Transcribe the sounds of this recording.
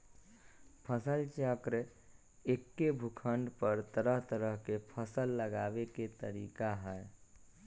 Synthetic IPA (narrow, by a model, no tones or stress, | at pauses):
pʰəsəlt͡ʃəkɾ | ekːebʱukʰəɳɖpəɾt̪əɾəɦt̪əɾəɦkepʰəsəlːəɡaːbeket̪əɾiːkaɦɛː